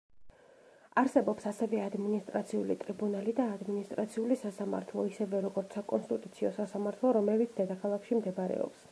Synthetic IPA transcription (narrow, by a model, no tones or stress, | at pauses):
aɾsɛbɔpsasɛvɛad̪minist̪ʼɾat̪sʰiulit̪ʼɾibunalid̪aːd̪minist̪ʼɾat̪sʰiulisasama̰ɾt̪ʰlˠɔisɛvɛɾɔɡɔɾt̪sakʼɔnst̪ʼit̪ʼut̪sʰiɔsasamaɾt̪ʰlˠɔɾɔmɛlit̪sʰd̪ɛd̪akʰalˠakʰʃimd̪ɛbaɾɛ̰ɔ̰ps